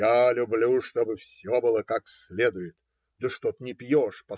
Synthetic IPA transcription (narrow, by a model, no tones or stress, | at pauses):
alʲʊblʲuʂt̪obɨfsʲobɨlˠəkaksʲlʲed̪ʊjɪt̪̚ | d̪əʂt̪ot̪ənʲɪpʲjoʂpɐ